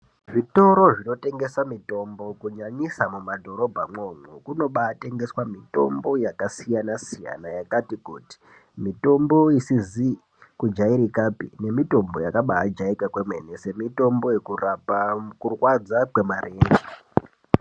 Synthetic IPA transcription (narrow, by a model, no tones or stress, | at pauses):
ʐito̞ɾo̞ʐino̞te̞ŋɡe̞samito̞mbo̞kuɲaɲisamumadʱo̞ɾo̞bʱamomukuno̞ɓaːte̞ŋɡe̞swamito̞mbo̞jakasijanasija̰najakatikuːti̥ | mito̞mbo̞isizi | kud͡ʒaiɾikapine̞mito̞mbo̞̰jakaɓaad͡ʒaikakwe̞mwe̞̰nese̞mito̞mbo̞je̞kurapakurwad͡zakwe̞mareːŋɡe